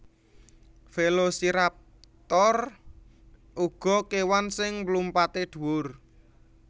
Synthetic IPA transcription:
felosiɾap̚ | t̪ɔr | ʔuɡ̥ɔ̤kewansɪŋblumpat̪ed̪̥ṳwʊr

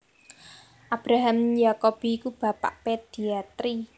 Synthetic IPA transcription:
ʔab̥ɾaɦamjakob̥i̤ːkub̥a̤pa̰ʔped̪̥iat̪ɾi

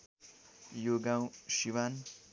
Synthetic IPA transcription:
joɡãw̃ʃiwan

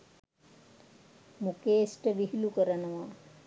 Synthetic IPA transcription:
mukeːsʈəʋiɦilukəɾənəʋa

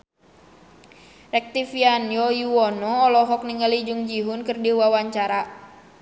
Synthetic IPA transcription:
ʔɛk̚t̪ifianjɔjuwɔnɔːlɔɦɔk̚niŋalid͡ʒuŋd͡ʒiɦunkɨrdiwawaɲt͡ʃaɾa

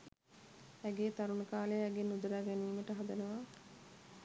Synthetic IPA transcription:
æɡeːt̪aɾunəkaːlejɛɡenːud̪əɾaːɡɛniːməʈəɦad̪ənəʋaː

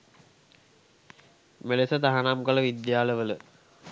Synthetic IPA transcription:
melesət̪aɦanamkələʋid̪jaːləʋələ

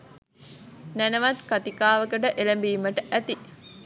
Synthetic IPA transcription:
nænəʋat̪kat̪ikaːʋəkəʈəʔeləmbiːməʈəʔæt̪i

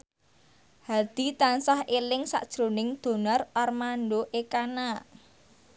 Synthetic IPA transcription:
had̪̥i̤t̪ansahelɪŋsa̰ʔd̥ʒ̥ɾo̤nɪŋd̪̥o̤nɔrɔrmandoʔekana

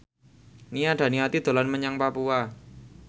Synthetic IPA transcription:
nijaɖ̥ä̤niat̪id̪̥o̤lanməɲaŋpapua

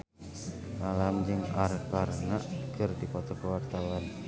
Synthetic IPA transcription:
malamd͡ʒɨŋarkarnaʔkɨrdikɔt̪ɔkəwart̪awan

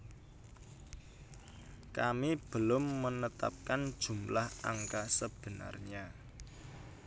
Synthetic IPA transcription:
kamib̥əlʊmːənət̪a̰p̚kand̥ʒ̥ṳmlaha̰ŋkasəb̥ə̤na̰rɲa

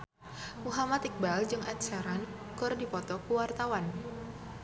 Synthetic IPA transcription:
muɦamat̪ik̚bald͡ʒɨŋʔɛt̪̚saɾan | kʊrdipɔt̪ɔkuwart̪awan

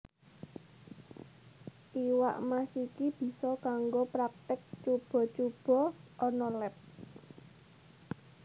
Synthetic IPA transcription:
tiwa̰ʔmasikib̥i̤sɔkaŋɡopɾak̚t̪ɪk̚t͡ʃub̥ɔ̤t͡ʃub̥ɔ̤ʔɔnɔlɛp̚

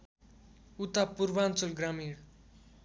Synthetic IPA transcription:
ut̪apuɾʋant͡sulɡɾamiːɽ

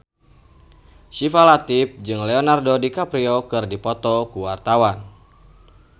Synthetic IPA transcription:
sifalat̪if̚d͡ʒɨŋlɛonardodikapɾiɔkɨrdipɔt̪ɔkuwart̪awan

